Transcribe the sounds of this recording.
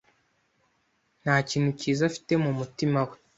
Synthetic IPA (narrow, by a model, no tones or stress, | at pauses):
n̥haːciːn̥huciːzafi̥te̞mumutimawe